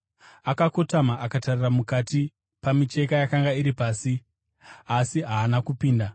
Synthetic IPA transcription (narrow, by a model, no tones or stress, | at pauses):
akako̞tamaʔakatariramukati | pamit͡ʃe̞kajakaŋɡaiɾipaːsi | asiɦaːnakupiːnda